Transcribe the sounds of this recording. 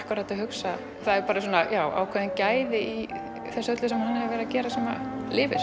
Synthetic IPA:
kaɾat̪ahʏksa | θaðɛɾpaːɾasɔːnajaːwʔa̰ːwkʰvɛːðɪncaːjðɪi | θɛsaœt̪lʏsɛmhanːahɛvɛːɾɪðacɛːɾasaːma̰lɪːvɪ̰̥

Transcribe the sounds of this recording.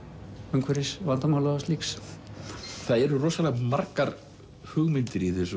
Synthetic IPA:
œŋkʰvɛɾɪsvant̪amaːwlaast̪liːks | θaðɛɾʏrɔːsalɛɣmarkaɾ | hʏɣmɪnt̪ɾiːðɪs

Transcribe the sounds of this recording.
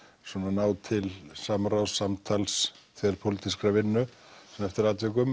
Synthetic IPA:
swɔːnanaːwt̪ʰɪlsamɾawsːamt̪ʰalsθʰɛðɾ̥pʰolɪt̪iskɾavɪnːʏ | sɛmɛft̪ɪɾaːt̪vɪk̬ʏm

